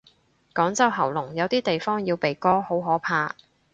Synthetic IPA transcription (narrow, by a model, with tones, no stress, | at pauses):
kɔː˨˥ŋt͡sɐ˥wɦɐ˨˩wlʊ˨˩ŋjɐ˨wt̪iː˥t̪e˨jfɔː˥ŋjiː˧wpe˨jkɔː˥ho˨˥wɦɔː˨˥pʰaː˧